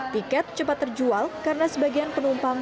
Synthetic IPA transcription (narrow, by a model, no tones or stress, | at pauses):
t̪ikɛt̪̚t͡ʃəpat̪ːərd͡ʒualkaɾənasəbaɡianpənumpam